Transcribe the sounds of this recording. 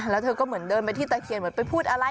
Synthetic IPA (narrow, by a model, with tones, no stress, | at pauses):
lɛː˦˥wt̪ʰɤː˧kɔː˥˩mɯ˩˦əndɤː˧npa˧jt̪ʰiː˥˩t̪ɛː˧˩kʰi˨˩ənmɯ˩˦ənpa˧jpʰuː˥˩t̪̚ʔa˧ɾa˧